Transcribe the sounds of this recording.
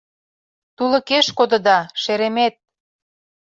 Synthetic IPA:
t̪ulə̆keʃkod̪ə̆d̪ɑʃeɾemet̪̚

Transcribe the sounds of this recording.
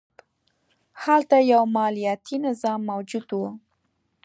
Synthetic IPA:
halt̪ajawmɑlijat̪ʰinɪzɑmːawd͡ʒud̪wu

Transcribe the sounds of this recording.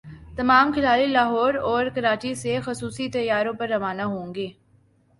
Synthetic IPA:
t̪ɐmaːmkʰɪlaːlilaːɦɔːɾɔːɾkɐɾaːt͡ʃisexʊsuːsit̪ɐjːaːɾõpɐɾːɐʋaːnaɦõːŋɡeː

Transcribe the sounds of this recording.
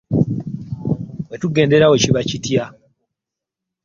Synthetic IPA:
wetuɡe̞ːnde̞ɾaweciβacitja

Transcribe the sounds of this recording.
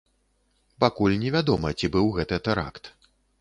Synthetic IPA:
pakulʲnʲɛvʲad̪ɔmɐt͡sʲibɨwɣɛt̪ɨt̪ɛɾa̰kt̪

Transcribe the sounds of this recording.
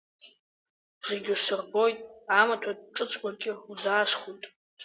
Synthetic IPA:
zeɡʲɪsɨrbo̞jtʼamatʷʰad̚ʈ͡ʂʼɨt͡sʷʰʼɡʷʼaɡʲɪuzaːʂχujtʼ

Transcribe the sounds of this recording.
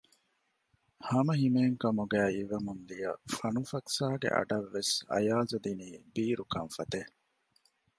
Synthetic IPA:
hɐmɐɦimeːŋkɐmuɡæːiʋɐmund̪ijɐfɐnufɐksaːɡḛʔɐ̰ɖɐʋːesɐ̰jaːzud̪iniːbiːɾukɐnfɐt̪e

